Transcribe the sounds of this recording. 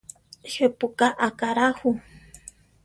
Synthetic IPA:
ʃepukaʔakaɾahu

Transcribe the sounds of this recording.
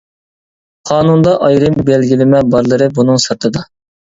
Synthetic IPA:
qʰɑːnund̪ɑʔɑjɾɨmbɛlɡʲilɪmɛbɑɾlˠɨɾɨbunɨŋsɨɾt̪ʰɨd̪ɑ

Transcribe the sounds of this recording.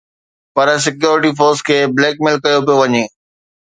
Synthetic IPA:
pɐɾs̬ɪkjoːɾɪʈifoːɾskʰeːbleːk̚mɪlkɐjopijoʋɐɲeː

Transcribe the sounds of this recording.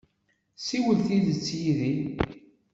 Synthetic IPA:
siwəlθiðət͡sːjiði

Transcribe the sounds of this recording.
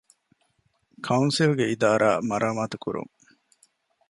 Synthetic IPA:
kʰɐunsilɡeid̪aːɾa̰ːmɐɾʔaːmaːt̪ukṵɾṵŋ

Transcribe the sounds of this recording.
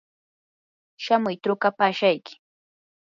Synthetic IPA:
ʃamʊjt̪ɾʊkapaːʃajkɪ̥

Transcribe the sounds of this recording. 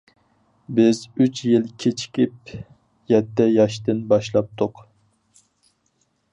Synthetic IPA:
bɪzyt͡ʃʰjilˠkʲʰet͡ʃʰi̥kʲip̚ | jɛt̪ːɛjɑʃt̪ɨnbɑʃlˠɑp̚t̪ʰʊq

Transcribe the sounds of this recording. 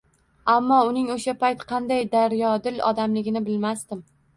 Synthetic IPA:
amːɒʊnɪŋoʃapajt̪qʰɑnd̪ajd̪aɾjɒd̪ɪlɒ̰d̪amlɪɡʲɪnɪbɪlmast̪ɪm

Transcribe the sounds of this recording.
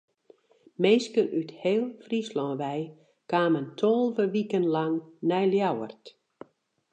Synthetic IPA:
meːskənʔytheːlˠfrislɔ̃ːʋɛj | kwaːməntʰolˠvəʋikənlɑŋnɛjljawərt

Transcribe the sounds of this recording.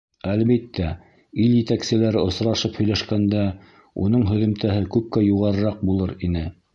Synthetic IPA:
ælβit̪ːæ | iljɘ̆t̪æksɘ̆læɾɘŏsɾɑʃɤphɵ̆jlæʃkænd̪æ | ṵn̪ɤɴɦɵ̆ðɵ̆mt̪æɦɘkʉp̚kæjuʁɑɾɤ̆ɾɑq̚bulˠɤɾinɘ

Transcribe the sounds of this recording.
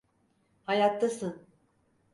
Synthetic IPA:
hajat̪ʰːasɯn

